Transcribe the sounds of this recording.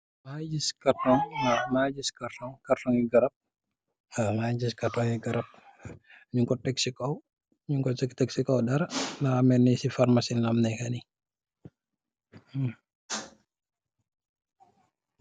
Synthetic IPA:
mad͡ʒiskatɔŋnamaːd͡ʒiskaɾtɔŋkaɾtɔŋiɡɐɾɐp̚ | amad͡ʒiskatɔŋiɡɐɾɐp̚ | ɲuŋkɔtɛksikɔw | ɲuŋkɔsɛktɛksikɔwdaɾanaamɛnːisifaɾmasinamnɛkani

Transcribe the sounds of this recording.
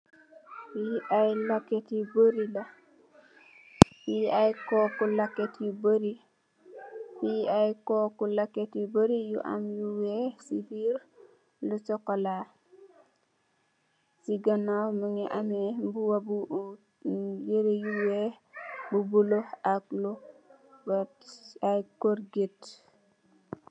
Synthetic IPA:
wiʔajlaketbəɾila | wiajkokulaketjubəɾi | wiajkokulaketubəɾijṵʔa̰mjuwesibiɾ | lut͡ʃɔkɔla | siɡɐnawməŋɛʔamembuwabu | jeɾejuwɛ | bubuloaklu | b | ajkoɾɡet

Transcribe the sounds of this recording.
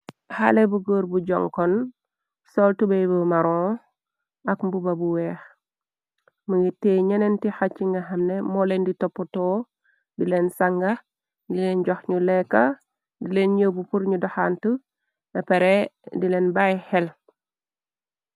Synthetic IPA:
ha̰lebuɡəːɾbuɟɔ̰ŋkɔn | soltubejbəmaɾõ | akmbubabuwɛːx | muɡitːeɲenentixat͡ʃːiŋɡɐɦamnemɔlenditopːɔtɔː | dilensaŋɡa | dilenɟɔxɲulekːa | dilenɲowbupuɾɲudɔxaːntu | nɐpeɾedilenbajhɛl

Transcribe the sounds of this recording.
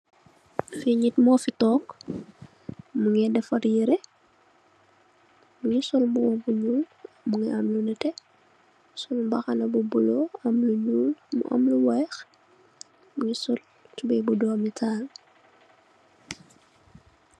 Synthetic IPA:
fiɲitmɔːfitɔːk | muŋɛdɛfɐɾjiɾɛ | muɲisɔlbuwɔbuɲuːl | muŋɛɐmlunɛtɛ | sɔlmbɐxɐnɐbubulɔɐmluɲulmṵʔɐ̰mluwɛːx | muɲisɔl | tubɛbudɔːmitʰaːl

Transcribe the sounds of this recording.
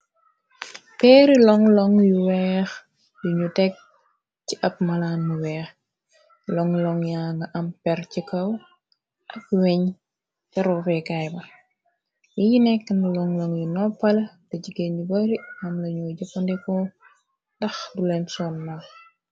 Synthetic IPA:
pɛːɾilɔŋlɔŋjuwɛːx | juɲutɛk̚ | ciʔɐp̚mɐlaːnmuwɛːx | lɔŋlɔŋjaŋɡɐʔɐmpɛrcikɐw | ʔɐk̚wɛɲ | kɐɾɔfɛkajbɐ | wijinɛkːɐnlɔŋlɔŋjunɔpːɐlɐdɐɟiɡenibɐɾiɐmlɐɲɔːɟɐpɐndɛkɔ | dɐxdulɛnsɔnːɐk

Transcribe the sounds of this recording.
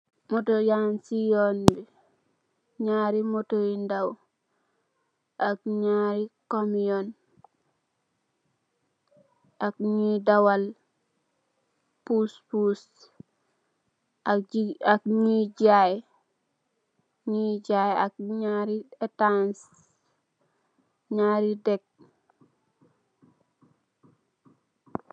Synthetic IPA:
motojansijonbi | ɲaɾimotoindaw | ʔak̚ɲaɾikomijon | akɲidawal | puspus | akɲid͡ʒaj | ɲid͡ʒajak̚ɲaɾiɛtans | ɲaːɾidɛk̚

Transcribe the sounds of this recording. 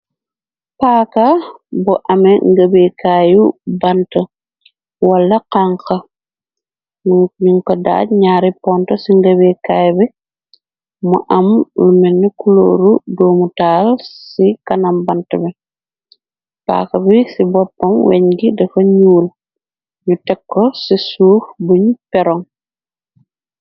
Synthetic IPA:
paːkɐbɔʔɐmɛŋɡɐbɛkaːjubɐntɐ | wɐlːɐqaŋkɐ | ɲuŋkɔda̰ːɟɲaːɾipɔntɔsiŋɡɐbɛkaːjbɛ | mɔʔɐmlumɛnːukulo̰ːɾudɔːmutaːlsikɐnɐmbɐntɐbɛ | pa̰ːkɐbisibɔpːɐmwɛ̰ɲɡidɐfɐɲuːl | ɲutɛkːɔsisuːfbuɲpɛɾɔŋ

